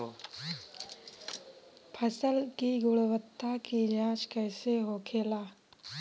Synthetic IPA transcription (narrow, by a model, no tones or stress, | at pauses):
pʰəsəlkiɡʊɽwət̪ːakid͡ʒãːt͡ʃkɛːseɦoːkʰeːlaː